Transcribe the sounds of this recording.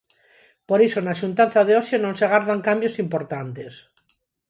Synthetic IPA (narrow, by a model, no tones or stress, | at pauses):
poɾisonaʃunt̪anθaðeosjenõnseɣ̞aɾðaŋkambjosimpoɾt̪ant̪es